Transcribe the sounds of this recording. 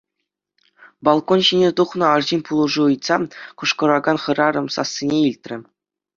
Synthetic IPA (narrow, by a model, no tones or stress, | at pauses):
bɑlˠkonɕinʲet̪uχnɤ̆ɑrʑinʲpulˠuʐuɯjt̪sɑkŭʂkɤ̆ɾɑɡɑnχɤ̆ɾɑɾɤ̆msɑ̰sʲːinʲeilʲt̪ʲrʲɘ̆